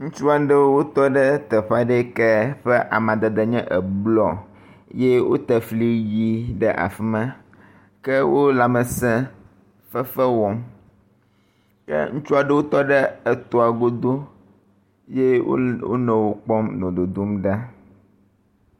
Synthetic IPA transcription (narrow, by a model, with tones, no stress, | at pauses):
ŋũ˦t͡ʃu˦a˨ɖɛ˦wo˦t̪ɔ˦ɖɛ˦t̪ɛ˨ɸa˦ɖɛ˦kɛ˦ɸɛ˦ʔa˨mã˨d̪ɛ˨d̪ɛ˨ɲɛ̃˦ʔɛ˨blɔ˨ | je˦wo̰˦t̪ɛ˨fli˦ji˦ɖɛ˦ʔa̰˨fi˦mã˦ | kɛ˦wo˦la˨mɛ˨sɛ̃˦ | fɛ˦fɛ˦wɔ˨m | kɛ̰˦ŋũ˦t͡ʃu˦a˨ɖɛ˦wo˦t̪ɔ˦ɖɛ˦ɛ˨t̪o˨a˨ɡo˦d̪o˦ | je˦wo̰˦wo̰˦nɛ̃˨wo˨k͡pɔ˦mnɔ̃˨d̪o˨d̪o˦mɖa˦